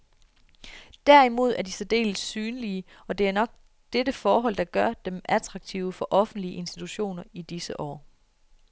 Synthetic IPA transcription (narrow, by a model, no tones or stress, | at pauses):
d̥æɐ̰imo̝ð̞̰ˠæɐd̥isɒd̥e̝̰ːlsːyːnliə | ɒ̽d̥e̝æɐnɒ̽ɡ̥̚ | d̥edəfɒːɦɒ̽l̰d̥ɑ̈ɡ̥ɶɐd̥emæt͡sʰʁɑ̈ɡ̥̚t͡sʰḭʊəfɒ̽ʔɒ̽fn̩d̥liəe̝nsd̥it͡sʰuɕo̝̰ːnɐid̥isəʔɒ̰ː